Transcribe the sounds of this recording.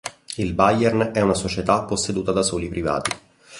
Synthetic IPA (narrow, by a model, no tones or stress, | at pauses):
ilbajɛrnɛunasot͡ʃet̪apːosːed̪uːt̪ad̪asoːlipɾiva̰ːt̪i